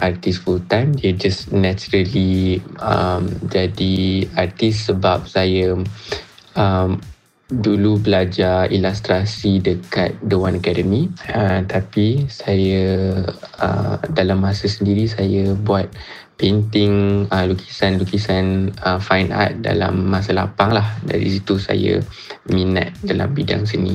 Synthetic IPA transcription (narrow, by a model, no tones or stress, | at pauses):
ʔart̪isfult̪amdiəd͡ʒasnɛt͡ʃuɾəliəmd͡ʒadiart̪issəbap̚saja | əm | dulubəlad͡ʒaḭlast̪ɾasidəka̰t̪̚dəwãnəkɛdəmiət̪apisaja | ə̰dalamːasəsəndiɾisajabuat̪̚ | pənt̪ɪŋəlukisanlukisanəfajnda̰t̪̚da̰la̰mːas̬ala̰paŋlahda̰ɾḭsit̪usa̰jə̰ | mina̰t̪̚dala̰mbida̰ŋs̬ənḭ